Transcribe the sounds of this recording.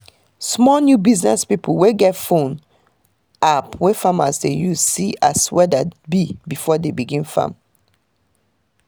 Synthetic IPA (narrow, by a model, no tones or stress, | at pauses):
smɔnjubiznɛ̰spipʰlweɡɛtfõn | apwefama̰sdejuzsia̰swɛdabibifɔdebiɡĩnfã̰m